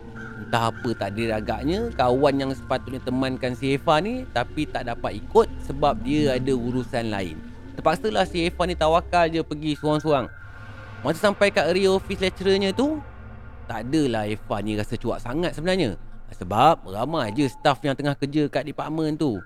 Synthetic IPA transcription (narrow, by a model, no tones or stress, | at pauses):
t̪aapət̪aʔdəɾaɡa̰ʔɲə̃kawanjaŋsə̥pat̪ʊt̪̚ɲət̪əmankansiefanit̪apit̪aʔdapat̪ikʊt̪̚səbap̚diəadəuɾusanla̰ɪ̰n | t̪əpaksəlahsiefanit̪awakald͡ʒəpəɡisoɾaŋsoɾaŋ | masasampajkaʔɾiofislɛt͡ʃɾəɲə̃t̪u | t̪adəlahefaniɾasət͡ʃua̰ʔsaŋat̪̚səbənarɲə̰səbap̚ramad͡ʒəsə̥t̪afjaŋt̪əŋahkərd͡ʒəkaʔdipaʔmənt̪u